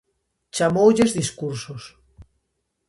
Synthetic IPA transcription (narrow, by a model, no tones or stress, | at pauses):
t͡ʃamowʎezðiskuɾsos